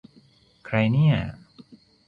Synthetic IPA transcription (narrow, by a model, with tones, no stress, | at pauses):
kʰɾa˧jni˥˩ɐ